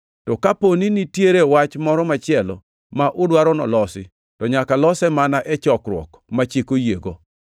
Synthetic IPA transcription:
tɔkaponinitjeɾewat͡ʃmɔɾɔmat͡ʃɪɛlɔ̰ | maʔʊdwaɾɔnɔ̰lɔsɪ̰ | tɔɲakalɔsɛmanaʔɛt͡ʃɔkɾwɔ̰k | mat͡ʃekojeɡo

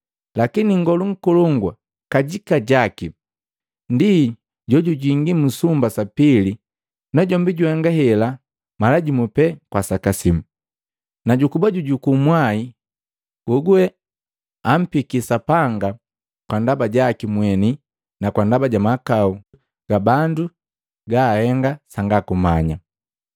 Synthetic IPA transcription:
lakiniŋɡɔluŋ̩kulɔŋɡwa | kaɟikaɟaki | ndi | ɟɔɟuɟiŋɡimusumbasapili | naɟɔmbiɟuhaŋɡahɛla | malaɟimupɛkwasakasimu | naɟukubaɟuɟukumwai | ɡ̥uɡuɛ | am̩pikisapaŋɡa | kwandabaɟakimwɛni | nakwandabaɟamakau | ɡ̥abandu | ɡahɛŋɡasaŋɡakumaɲa

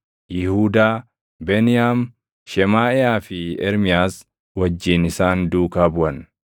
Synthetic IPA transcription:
jɪhuːd̪aː | bɛnɪjaːm | ʃɛmaːɛaːfɪɛɾmɪjaːs | wɐd͡ʒːɪnɪsaːnd̪uːkaːbʊʔɐn

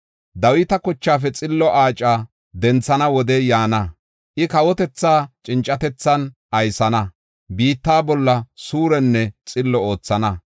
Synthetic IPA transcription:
d̪ɐwɪt̪ɐkɔt͡ʃːaːfɛt͡sʼɪlːɔʔaːt͡ʃʼːaː | d̪ɛnt͡sːɐnɐwɔd̪ɛjaːnɐ | ʔɪkɐwɔt̪ɛt͡sːaːt͡ʃʼɪnt͡ʃʼːɐt̪ɛt͡sːɐnʔɐjsɐnɐ | biːt̪ːaːbɔlːɐsuːɾɛnːɛt͡sʼɪlːɔo̞ːt͡sːɐnɐ

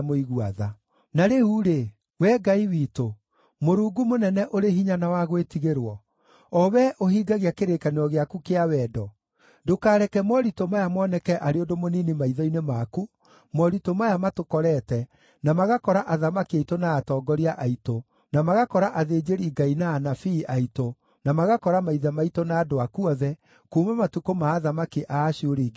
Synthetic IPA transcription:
moiɣuaða | naɾehuɾe | wɛɡaiwiːto | moɾuːɡumonɛnɛʔoɾeɦiɲanawaɣwetiɣeɾwɔ | ɔwɛʔohiːɡaɣjakeɾekaneɾɔɣeakukeawɛːdɔ | dokaːɾɛkɛmɔɾitomajamɔːnɛkɛʔaɾeondomoniːnimaiðɔinemaku | mɔɾitomajamatokɔɾɛtɛ | namaɣakɔɾaʔaðamakiaitonaːtɔːɡɔɾiaʔaito | namaɣakɔɾaʔaðeːd͡ʒeɾiːɡainaːnafiːʔaito | namaɣakɔɾamaiðamaitonaːdoakuɔðɛ | kuːmamatukomaːðamakiʔaːɕoɾiːɡe

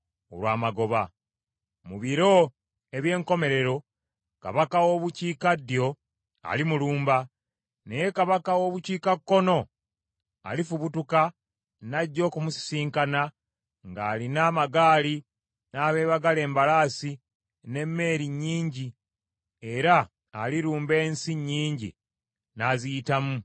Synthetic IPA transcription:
o̰lwaːmaɡo̞βa | muβiɾo̞ | e̞βje̞ːŋko̞me̞ɾe̞ɾo̞ | ka̰βakawoβuciːkadjo̞ | a̰limuluːmba | nejekaβakawo̞ːβuciːkakːo̞no̞ | a̰lifuβutuka | naɟːo̞ːkumusi̥siːŋkana | ŋɡaːlinaːmaɡaːli | naːβe̞ːβaɡale̞ːmbalaːsi | ne̞mːe̞ːɾiɲːiːɲɟi | e̞ɾaː | liɾuːmbe̞ːnsiɲːiːɲɟḭ | nazijitamu

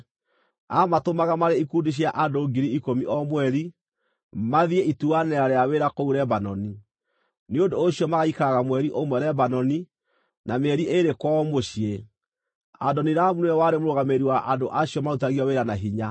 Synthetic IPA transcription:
amatomaɣamaɾeikudiɕ̬iaʔandoɡiɾiːkomiʔɔmwɛɾi | maðieʔituanɛɾaɾeaweɾakouɾɛbanɔni | neodoːɕiɔmaɣaikaɣamwɛɾiʔomwɛɾɛbanɔni | nameɛɾiʔeɾekwɔmoɕie | a̰dɔniɾamunɛwaɾemoɾoɣameɾiwaʔadoʔaɕiɔmautaɣiɔweɾanaɦiɲa

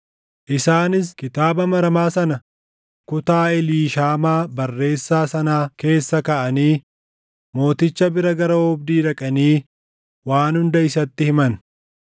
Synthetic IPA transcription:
ʔɪsaːnɪs̬kɪt̪aːbɐmɐɾɐmaːsɐnɐ | kʊt̪aːɛliːʃaːmaːbɐrːe̞ːsːaːsɐnaːke̞ːsːɐkɐʔɐniː | mo̞ːt̪ɪt͡ʃːɐbɪɾɐɡɐɾɐɔbd̪iːdɐkʼɐniː | waːnhʊnd̪ɐɪsɐt̪ːɪhɪmɐn

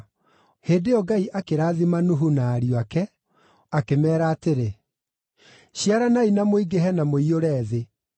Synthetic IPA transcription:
heːdeɔɡaiʔakeɾaːðimanuɦunaːɾiwakɛ | akemɛːɾaːteɾe | ɕiaɾanainamoiɡeɦɛnamoioɾɛːðe

